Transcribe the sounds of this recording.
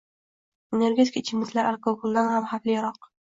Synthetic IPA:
ene̞ɾɡʲeɪ̥kʰaɪt͡ʃʰɪmɪt̪laɾalkoɡolˠd̪anhamhaflɪjɾɒq

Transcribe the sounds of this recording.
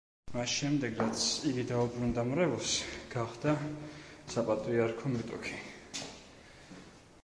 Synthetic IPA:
masʃɛmd̪ɛɡɾat̪sʰiɡid̪aubɾund̪amɾɛvɔsɡ̥aχd̪a | sapʼat̪ʼɾiaɾkʰɔmɛt̪ʼɔ̰kʰi̥

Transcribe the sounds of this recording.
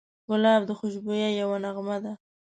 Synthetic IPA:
ɣʊlɑbd̪əxʊʃbojajawanaɣmad̪a

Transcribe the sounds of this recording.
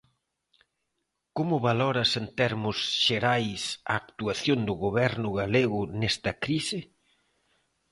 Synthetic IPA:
komʊβalɔɾɐsent̪ɛɾmʊsʃeɾajsɐ̰ːkt̪uaθjond̪ʊɣoβɛɾnʊɣaleɣʊnɛst̪ɐkɾisɪ

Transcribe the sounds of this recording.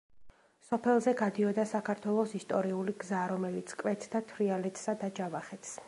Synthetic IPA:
sɔpʰɛlˠzɛɡad̪iɔd̪asakʰaɾt̪ʰwɛlˠɔsist̪ʼɔɾiuliɡzaɾɔmɛlit̪sʰkʼwɛt̪ʰd̪at̪ʰɾialɛt̪ʰʼsad̪ad͡ʒavaχɛt̪ʰs

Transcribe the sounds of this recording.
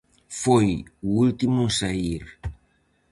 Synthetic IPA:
fojuult̪imũsaiɾ

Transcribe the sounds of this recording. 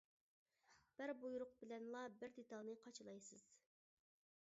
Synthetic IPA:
b̥ɪɾbujɾʊq̚bɪlɛnlˠɑbɪɾd̪et̪ɑlˠnɨqʰɑt͡ʃʰɨlˠɑjsɨz̥

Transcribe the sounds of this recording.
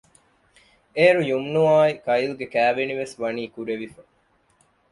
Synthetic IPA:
eːɾujumnuaːikɐjilɡekæːʋeniʋesʋɐniːkuɾeʋifɐ

